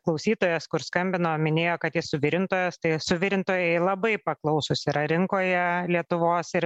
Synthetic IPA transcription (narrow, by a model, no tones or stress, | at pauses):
klˠɐʊsʲiːt̪oːjɛskʊɾskɐmʲbʲɪnoːmʲɪnʲeːjoːkɐt̪jʲɪsʊʋʲɪɾʲɪnt̪oːjɛst̪ɐɪsʊʋʲɪɾʲɪnt̪oːjɛɪlˠɐbɐɪpɐklˠɐʊsʊsʲɪɾɐɾʲɪŋkoːjɛlʲiɛt̪ʊʋoːsɪɾ